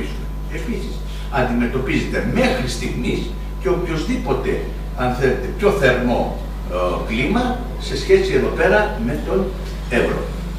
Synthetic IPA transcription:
isume | episis | ɐnd̪ime̞t̪o̞pizet̪e̞me̞xɾist̪iɣmis | ceopço̞zðipo̞t̪e̞ | ɐnθelet̪e̞pço̞θe̞ɾno̞̰ | klimɐ | se̞sçe̞sie̞ðo̞pe̞ɾɐme̞t̪o̞n | evɾo̰

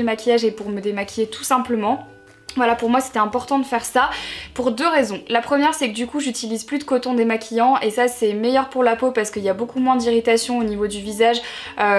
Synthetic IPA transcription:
əmakʲijaʒepuʁməd̪emakʲʰjet̪ʰu̥sɛ̃pləmɑ̃ | vwalapuʁmwase̥t̪ɛɛ̃pɔʁt̪ɑ̃d̪əfɛʁsapuʁd̪øʁezɔ̃lapχəmjɛʁsɛkəd̪ykuʒyt̪ilizplyd̪əkot̪ɔ̃d̪emakʲʰijɑ̃esasɛmejœʁpuʁlapopaʁsə̥kəiljabokumwɛ̃d̪iʁit̪asjɔ̃onivod̪yvizaʒø

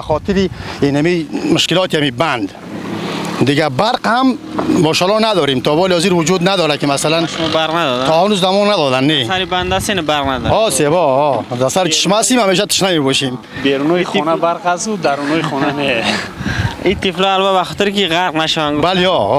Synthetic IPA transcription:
aχɔt̪ʰiɾiinamimʊʃkilɔt̪iamiband̪ | d̪iɡabaɾqhamːɔʃalɔnad̪ɔɾemt̪ʰɔbɔliɔziɾvud͡ʒud̪nad̪ɔɾakimasalanʃmɔbaɾqnad̪ɔd̪taɔhanuzd̪amɔnnad̪ɔd̪anːeaɾiband̪asenabaɾqnad̪ɔsebɔɔd̪asaɾit͡ʃʰi̥ʃmɔast̪imhameʃ̬at̪ʰi̥ʃnamebɔʃim | beɾunɔiχɔnabaɾqasud̪aɾunɔiχɔnane | it̪ʰiflɔalvabaχɔt̪iɾkiʁaɾqnaʃaʋaŋɡubaliɔ

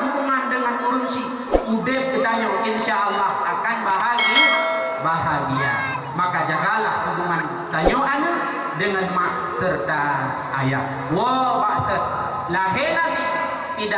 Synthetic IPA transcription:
ɦubuŋandəŋanuɾunsi | udɪp̚k̪ət̪aɲoʔinsaʔalːahʔakanbaɦanə | baɦaɡia̰ | makad͡ʒaɦalahhubuŋan | t̪aɲoʔanə | dəŋanmaʔ | sərt̪aː | jak̚ | wɔwasət̪̚ | laɦɪlaɡi | t̪ida

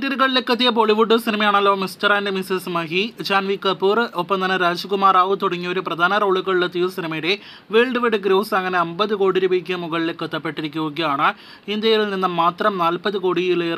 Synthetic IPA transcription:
t̪iɾuɣɐɭilekːɐt̪ːijɐp̬o̞ɭiʋuɖːɨsinɐmɐjaːɳɐlːo̞ːmisʈɐraːndemisismɐɦit͡ɕaːnʋikːɐpːuːropːɐmɐnɐɾaːd͡ʑukumaːraːʋut̪uɽɐŋːioɾuprɐd̪ʱaːnɐro̞ːɭuɣɐɭiɭːɐt̪ːijusinimɐjiɾe̞ | ʋeːɭɖɨʋeɽɨɡɾoːsɐŋːɐneɐmbɐðɨko̞ːɽiɾubikʲːɐmuɣɐɭilekːɐt̪ːɐpːe̞ʈːiɾikʲːuuɡɐjaːɳɨ | ind̪jɐjilninːɐmaːt̪rɐmnaːlpɐðɨko̞ːɽijiler

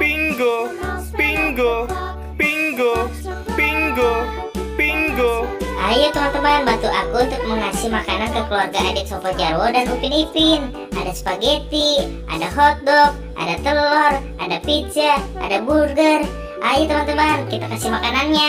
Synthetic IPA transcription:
piŋɡo | piŋɡo | piŋɡo | piŋɡo | piŋɡoajut̪əmant̪əmanbant̪uʔakuunt̪ʊk̚məŋasimakanankəkəluarɡaʔadɛt̪̚sapard͡ʒaɾwodanupinipɪn | ʔa̰dasə̥paɡet̪i | ʔa̰daɦɔt̪̚dɔk̚ | ʔa̰dat̪əlɔrʔa̰dapit͡ʃəʔa̰daburɡər | ʔajut̪əmant̪əmankit̪akasimakananɲa

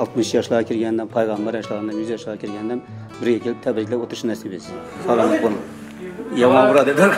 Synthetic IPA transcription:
ɑlˠt̪mɨʃjɑʃlˠɑʁkʲʰiɾɡʲɛnd̪ɛnpʰɑjʁɑmbɑɾjɑʃlˠɑʁnd̪ɑmjyzjɑʃlˠɑʁkʲʰiɾɡʲɛnd̪ɛm | bɪɾɡʲɛkʲʰelɪp̚t̪ʰɛbɪɾkʰʲilæwot̪ɾɨʃnɛsɪbesɪ | sɑlˠɑnˠɨqbolˠm | jɑmɑnbuɾɑd̪ed̪

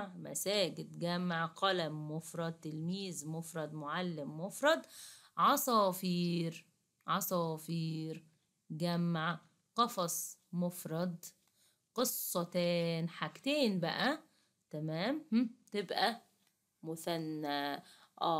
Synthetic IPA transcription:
mæ̰sæːɡɪd̪ɡæmːaʕqælæmːofɾˤɑd̪̚t̪ːelmiːzmofɾˤɑd̪moʕalːɪmːofɾˤɑd̪ | ʕɑsˤɑːfiːɾ | ʕɑsˤɑːfiːɾ | ɡæmːaʕ | qɑfɑsˤmofɾˤɑd̪ | qɨsˤːɑt̪æːnħaɡt̪eːnbæʔæ | t̪æmæːmht̪ebʔæ | mʊθænːæʔæː

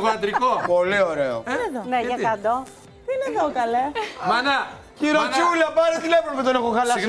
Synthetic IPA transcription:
vɐd̪ɾikopo̞lio̞ɾeo̰eðoneʝɐkɐd̪o | ineokɐlemɐnɐciɾot͡ʃulɐpɐnest̪inepɾopet̪onexoxɐlɐs

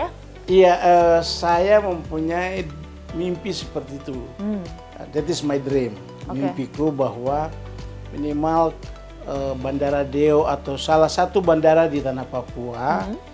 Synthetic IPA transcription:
ijaʔəsajaməmpuɲai | mimpisə̥pərt̪iːt̪ṵ | dɛt̪ɪsmajdɾim | mimpikubaɦwa | minimal | əbandaɾadeoʔat̪awsalahsat̪ubandaɾadit̪anahpapua

